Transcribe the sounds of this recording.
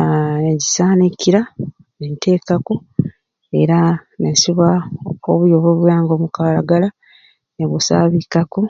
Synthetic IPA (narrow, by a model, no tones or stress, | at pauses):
eɟisaːnikiɾa | nentʰe̞ːkako̞ | e̞̰ɾa | nesiβaoβujoβoːβujaːŋɡo̞ːmukalaɡala | neβusa̰βikako̞